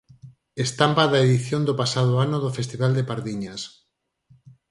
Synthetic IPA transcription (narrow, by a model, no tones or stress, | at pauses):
est̪ampaðaeðiθjond̪ʊpasað̞ʊanʊðofest̪iβald̪epaɾðiɲas